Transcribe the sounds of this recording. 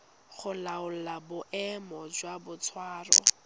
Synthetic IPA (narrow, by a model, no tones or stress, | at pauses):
χʊlaʊl̩labʊʔɛmɔd͡ʒwabʊt͡sʰwaːrɔ̰